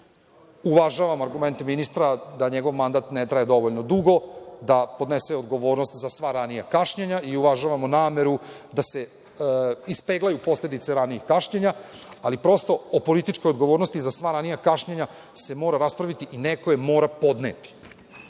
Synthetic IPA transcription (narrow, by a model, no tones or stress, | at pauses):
uʋaʒaʋamoaɾɡume̞nt̪eminist̪ɾad̪aɲeɡo̞ʋmand̪at̪net̪ɾajed̪o̞ʋoʎnod̪uɡo̞d̪apo̞d̪neseod̪ɡo̞ʋo̞ːɾnost̪zasʋaɾanijakaʃɲeɲaiuʋaʒaʋamonaːme̞ɾud̪ase̞ | ispeːɡlˠajupo̞sled̪it̪seɾanijixkaʃɲeɲaalipɾo̞st̪o̞opo̞lit̪it͡ʃkojod̪ɡoʋoːɾnost̪izasʋaɾanijakaʃɲeɲa | se̞mo̞ːɾaɾaspɾaʋit̪iʔineko̞je̞mo̞ːɾapo̞d̪nḛt̪i̥